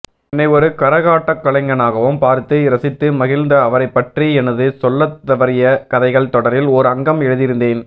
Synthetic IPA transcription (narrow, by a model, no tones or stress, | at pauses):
ɛnːɐɪɔɾɯkɐɾɐɣaːʈːɐkːɐɭɐŋɡɐnaːɣɐʋɯmpaːɾt̪ɯɪɾɐsɪt̪ːɯmɐɣɪlnd̪ɐːʋɐɾɐɪpːɐʈriɛnɐðɯsɔlːɐt̪ːɐʋɐɾɪjɐkɐðɐɪɣɐɭt̪ɔɽɐɾɪlɔɾɯɐŋɡɐmɛɻɯðɪɾɯnd̪eːn